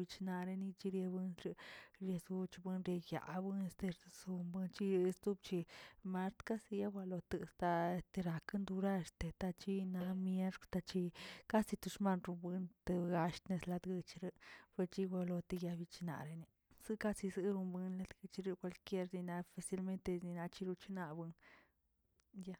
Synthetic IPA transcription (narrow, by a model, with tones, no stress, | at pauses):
bi˧t͡ʃna˧ɾe˧ni˧t͡ʃi˧ɾje˧bɨ˧nɾi˧ɾje˧sɡu˧t͡ʃbɨ˧nɾe˧ja̰˨bɨ˧ne˧st̪e˧ɾsu˧mbɨ˧nt͡ʃi˦˧st̪u˦b̚t͡ʃi˧ma˧ɾt̪ka˦si˧ja˦bʷa˧lo˧t̪ɨ˧˨st̪a˧e˧st̪e˧ɾa˧kɨ˦nd̪u˧ɾa˦˧ɾt̪e˧t̪a˧t͡ʃi˦na˧mje˦ʂkt̪a˧t͡ʃi˧ka˦si˧t̪u˧ʂma˦nɾu˧mbɨ˧nt̪ɨ˧ɡa˧ʃt̪ne˧sla˧d̪ɡɨ˧t͡ʃɾɨ˧pe˧ɾt͡ʃi˦wʷa˧lo˧t̪e˧ja˧bi˧t͡ʃi˧na̰˧˨ɾe˧ni˧ | z̥ɨ˦ka˦si˧zɨ˧ɾu˧mbɨ˧nla˧d̪ɡɨ˧t͡ʃɾe˧kʷwʷa˧lkje˦ɾni˧na˧fa˧si˦lme˦nt̪e˧ni˧na˧t͡ʃi˧ɾu˧t͡ʃi˦na˧bɨ˧n | ja˧